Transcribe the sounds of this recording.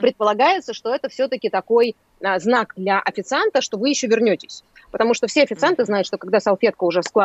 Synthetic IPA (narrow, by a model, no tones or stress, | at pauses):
pɾʲɪt̪̚pəlˠɐɡajɪt̪səʂt̪o̞ɛt̪əfsʲɵt̪əkʲɪt̪ɐko̞j | znakd̪lʲɐʔɐfʲɪt̪sɨant̪əʂt̪o̞vɨjɪɕːovʲɪrnʲotʲɪsʲ | pət̪ɐmuʂt̪ofsʲeɐfʲɪt̪sɨant̪ɨznajʊt̪ʂt̪o̞kɐɡd̪asɐlˠfʲe̞t̪kəʊʐɛfsklˠa